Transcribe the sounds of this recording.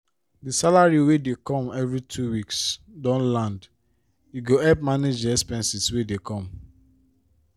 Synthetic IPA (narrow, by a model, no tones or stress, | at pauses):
disalaɹiwedekɔ̃mɛvɹitʰuwiksdɔ̃nlãnd | iɡoɛp̚maned͡ʒdɛspɛ̃nsiswedekʰɔ̃m